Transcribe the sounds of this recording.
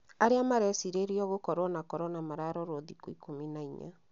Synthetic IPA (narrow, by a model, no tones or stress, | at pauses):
aɾeamaɾɛsiɾeɾiɔɣokɔɾwɔnakɔɾɔnamaɾaɾɔɾoðikoikominaiɲa̰